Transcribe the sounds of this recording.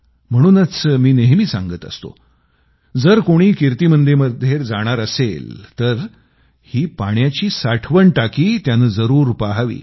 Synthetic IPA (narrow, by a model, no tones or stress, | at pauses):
m̤əɽ̃uːnət͡smiːneɦmiːsã̰ŋɡət̪ə̰st̪o̰ | d͡zəɾkoɽ̃iːkiɾt̪iːmənd̪eməd̪ʱːjeɾd͡zaɽ̃aɾəselt̪əɾ | hiːpaɳjat͡ɕiːsaʈʰʋəɳʈakiːt̪janəd͡zəɾuːɾpaɦaʋḭː